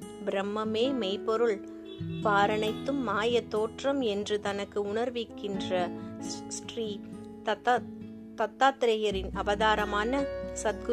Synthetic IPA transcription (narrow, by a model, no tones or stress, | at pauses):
bɪɾɐmːɐmeːmɛɪpɔɾɯɭ | paːɾɐɳɐɪt̪ːɯmːaːjɐt̪oːʈrɐmɛndrɯt̪ɐnɐkːɯʊɳɐɾʋɪkːɪndrɐsʈriː | ɐ | t̪ɐt̪ːaːt̪ɪɾɐjɐɾɪnɐʋɐðaːɾɐmaːnɐsɐd̪̚ɡ